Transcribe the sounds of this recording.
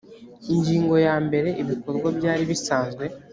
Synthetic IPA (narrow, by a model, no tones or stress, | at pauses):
iɲɟiːŋɡo̞jaːmbe̞ɾe̞ʔiβiko̞ɾɡwabjaːɾiβisaːnzɡwe̞